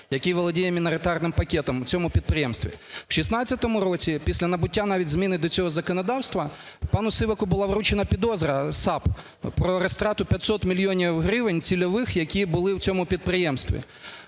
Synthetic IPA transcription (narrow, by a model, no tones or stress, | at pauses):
jɐkʲiʋɔlˠɔdʲijɛmʲinɔɾɪt̪ɑrnɪmpɐkʲɛt̪ɔmwt͡sʲɔmʊpʲid̪̚pɾɪjɛmst̪ʋʲḭwʃisnɑt͡sʲt͡sʲːɐt̪ɔmʊɾɔt͡sʲipʲisʲlʲɐnɐbʊtʲːanɑʋʲitʲzmʲinɪd̪ɔt͡sʲɔɦɔzɐkɔnɐd̪ɑwst̪ʋɐ | pɑnʊsɪʋɐkʊbʊlˠɑʋɾut͡ʃenɐpʲid̪ɔzɾɐsɑp | pɾɔɾest̪ɾɑt̪ʊpʲjɐt̪ʲsɔt̪mʲilʲjɔnʲiwɦɾɪʋenʲt͡sʲilʲɔʋɪxjɐkʲibʊlˠɪwt͡sʲɔmʊpʲid̪̚pɾɪjɛmst̪ʋʲḭ